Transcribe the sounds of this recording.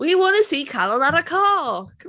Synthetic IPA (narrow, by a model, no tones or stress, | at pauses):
wiwɔnə̥siːkʰalˠɔðaɾəkʰɔkʰ